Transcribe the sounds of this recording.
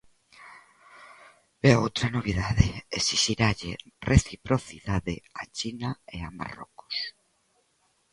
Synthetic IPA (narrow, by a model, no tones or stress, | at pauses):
ɛowt̪ɾanoβiðaðɪesiʃiɾaʎɪrʔeθipɾoθiðaðɪ̰at͡ʃinaeama̰rɔ̰kʊ̥s